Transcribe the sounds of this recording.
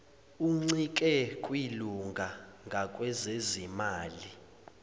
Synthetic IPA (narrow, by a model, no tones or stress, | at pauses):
uŋ͡ǀik̬ʼɛkʼwiluŋɡʱaŋɡʱakʼwɛzezimaːli